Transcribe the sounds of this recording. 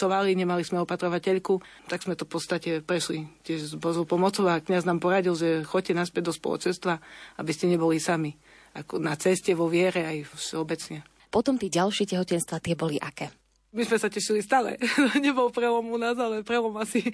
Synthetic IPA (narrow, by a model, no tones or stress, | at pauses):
tɔʋaliɲɛmalismɛɔpat̪ɾɔʋacɛʎku | t̪aɡz̥mɛt̪ɔfpɔt̪st̪acɛpɾɛʃlicɪɛʒzbɔzɔʊpɔmɔt͡sɔʊakɲaznaːmpɔɾaɟilʒɛxɔc̚cːɛnaspɛd̪ɔspɔ̰lɔ̰t͡ʃɛnst̪ʋaabiscɛɲɛbɔlisami | akɔnat͡sɛscɛʋɔʋɪɛɾɛajɔfʃɛɔbɛt͡sɲɛ | pɔt̪ɔmt̪iːɟalʃɪɛcɛɦɔcɛnst̪ʋat̪ɪɛbɔliʔakɛː | mizmɛsacɛʃilist̪alɛ̰ɲɛbɔlpɾɛlɔmunazalɛpɾɛlɔmasi